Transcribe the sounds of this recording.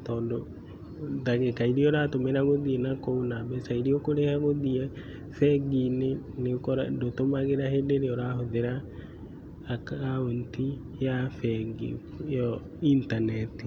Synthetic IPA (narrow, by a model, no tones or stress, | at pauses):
tɔːndo | ðaɣekaiɾiɔɾatomeɾaɣoðiɛnakoonabɛsaiɾiɔkoɾehaɣoðiɛ | fɛɡinenekɔɾa̰ndotomaɣeɾahendeɾeɔɾaɦoðeɾa | kaonti | jafɛɡḭ | jɔ | intanɛti